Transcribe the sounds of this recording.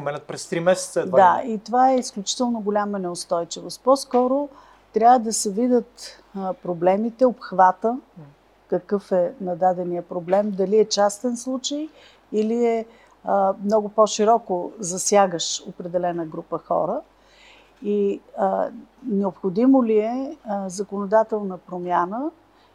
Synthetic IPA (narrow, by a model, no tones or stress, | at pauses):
pomɛnʲət̪̚pɾɛst̪ɾimɛsɛ̥t̪sədd̪ait̪ovaɛisklʲut͡ʃi̥t̪ɛlˠnoɡʊlʲamənɛost̪ɔjt͡ʃivost̪pɔskɔɾo | t̪ɾʲavəd̪ɐsɛvid̪ət̪ | pɾoblɛmit̪ɛopxvat̪ə | kəkɤfɛnɐd̪ad̪ɛnijəpɾoblɛmd̪ɐliɛt͡ʃast̪ɛnslˠut͡ʃəj | iliɛ | mnɔɡʊpɔʃiɾɔkozɐsjaɡəʃo̰pɾɛd̪ɛlɛnəɡɾupəxɔ̰ɾə | i | nɛopxod̪imoliɛzəkonod̪at̪ɛlˠnəpɾomjanə